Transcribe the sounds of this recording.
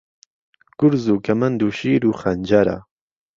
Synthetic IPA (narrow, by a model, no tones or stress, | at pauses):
kʊɾzuːkɐmɐnd̪uːʃiːɾuːxɐnd͡ʒaɾa̰